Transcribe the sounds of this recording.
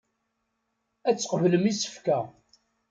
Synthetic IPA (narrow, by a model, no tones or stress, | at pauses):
æt͡sːə̥qvləmisə̥fkæ